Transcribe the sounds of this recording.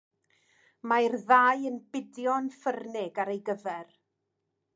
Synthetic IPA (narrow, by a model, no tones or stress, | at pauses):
majrðaːjənb̥ɪdjɔnfərnɪɡaɾejɡəvɛr